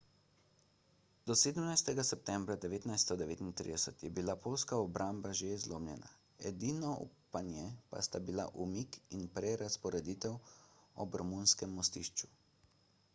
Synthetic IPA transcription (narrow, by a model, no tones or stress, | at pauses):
d̪ɔseːd̪əmnajst̪ɛɡasɛp̚t̪ɛmbɾad̪ɛʋeːt̪najst̪ɔd̪ɛʋeːt̪int̪ɾḭd̪ɛsət̪jɛbilapoːlskaɔbɾambaʒeizloːmlʲjɛna̰ | ɛd̪inɔṵpanjɛpa̰st̪abila̰ʔumikinpɾɛɾaspɔɾɛd̪iːt̪ɛwɔ̰bɾmunskɛmːɔst̪iʃt͡ʃu